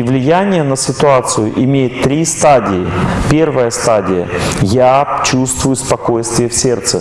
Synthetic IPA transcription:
vlʲɪjanʲɪjənəsʲɪt̪ʊat̪sɨjʊʔɪmʲejɪt̪ːɾʲist̪adʲɪɪpʲe̞rvəjəst̪adʲɪjə̰jat͡ɕust̪vʊjʊspɐko̞jst̪vʲɪjəfsʲe̞rt̪sɨ

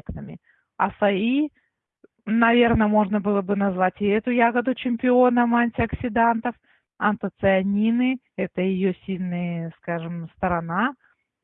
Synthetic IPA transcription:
knɨmʲɪ̰ | ɐ̰sɐi | nɐvʲe̞rnəmo̞ʐnəbɨlˠəbɨnɐzvatʲɛt̪ʊjaɡəd̪ʊt͡ɕɪmʲpʲɪo̞nəmanʲtʲɪɐksʲɪd̪ant̪əf | ɐ̰nt̪ət̪sɨɐnʲinɨ | ɛt̪əjɪjosʲilʲnəjəskaʐɨmst̪əɾɐna

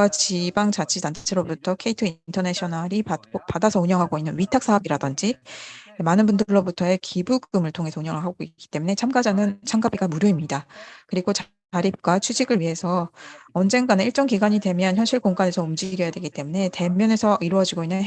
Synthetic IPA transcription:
at͡ɕibaŋt͡ɕat͡ɕʰitant͡ɕʰt͡ɕʰeɾobutʰʌkʰe̞itʰɯintʰʌneɕʰʌnaɾipakopadasʰʌuɲʌŋɦaɡoinːɯnɥitʰak̚s͈aɦʌbiɾadʌnd͡ʑi | manɯnbundɯɭːobutʰʌe̞kʰibuɡɯmɯɭtʰoŋɦe̞sʰʌuɲʌŋɦɯɭɦaɡoik͈i̥t͈e̞mune̞t͡ɕʰamɡad͡ʑanɯnt͡ɕʰamɡabiɡamuɾjʌimɲidakɯɾiɡot͡ɕ | aɾip̚kwat͡ɕʰud͡ʑiɡɯɭɥiɦe̞sʰʌʌnd͡ʑe̞nɡaneiɭt͡ɕ͈ʌŋkiɡaɲidwe̞mjʌnçjʌnɕʰiɭkoŋɡane̞sʰʌumd͡ʑiɡjʌjadwe̞ɡit͈e̞mune̞te̞mjʌne̞sʰʌʔiɾwʌd͡ʑiɡoinːɯn

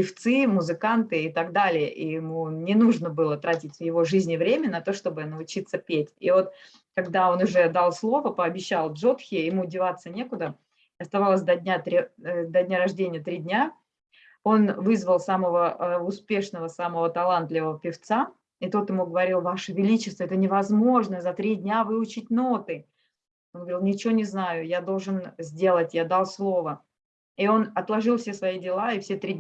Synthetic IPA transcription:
pʲɪft̪sɨmʊzɨkant̪ɨɪt̪ɐɡd̪alʲɪjəʔijɪmunʲɪnuʐnəbɨlˠət̪ɾatʲɪtʲvjɪvo̞ʐɨzʲnʲɪvɾʲemʲənɐt̪o̞ʂt̪o̞bɨnəʊt͡ɕit̪səpʲetʲivo̞t̪ | kɐɡd̪ao̞nʊʐɛd̪alˠslˠo̞vəpəɐbʲɪɕːalˠbʐo̞t̪xʲɪjɪmuːdʲɪvat̪sənʲe̞kʊd̪ə | ɪɐst̪ɐvalˠəsʲd̪ɐdʲnʲat̪ɾʲd̪ɐdʲnʲaɾɐʐdʲenʲɪjət̪ɾʲidʲnʲa | o̞nvɨzvəlˠsaməvəəʊspʲe̞ʂnəvəsaməvət̪ɐlˠant̪lʲɪvəvəpʲɪft̪sa | ɪt̪o̞t̪jɪmuɡəvɐɾʲilˠvaʂəvʲɪlʲit͡ɕɪst̪vəɛt̪ənʲɪvɐzmo̞ʐnəzɐt̪ɾʲidʲnʲavɨʊt͡ɕɪt̚ʲno̞t̪ɨ | onɡəvɾilˠnʲɪt͡ɕɪvonʲɪznajʊjad̪o̞lˠʐɨnzʲdʲe̞lˠətʲjad̪alˠslˠo̞və | io̞nɐt̪lˠɐʐɨlˠfsʲe̞svɐidʲɪlˠaɪfsʲet̪ɾʲi

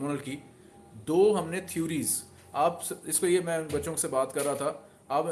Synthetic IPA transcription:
mʊnəlkiː | d̪oːɦɐmnet̪ʰijuːɾiːz | aːpsɪskojemɛ̃bɐtːʃõksebaːt̪kɐɾːaɦat̪ʰa | aːp

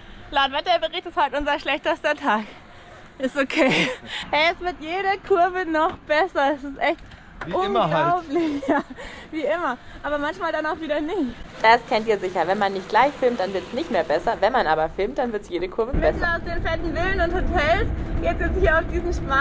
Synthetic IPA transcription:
laːtvɛtɐbəʁɪçtəshaltʔʊnzɐʃlɛçtəstɐtʰaːk | ʔɪstokʰeːɛɛsv̥ɪɐtjeːɾɐkʰʊɐvənɔχb̥ɛsɐɛsɪstʔɛçt̚ | ʔʊnɡlaʊplɪçjaːviːʔɪmɐʔaːbɐmançmaːldanaʊxviːɾɐnɪçtd̥askʰɛntiːɐzɪçɐvɛnmanːɪçt̚ɡ̥laɪçfɪlmt̚d̥anvɪɐtsnɪçtmeːɐbɛsɐvɛnmanʔa̰ːbɐfɪlmt̚d̥anvɪɐtsjeːɾəkʰʊɐvəmɛsaʊsd̥eːnfɛtn̩vɪlənʊnthotʰɛlsɡ̥etɪzhiːɐaʊfd̥iːzn̩ʃpa

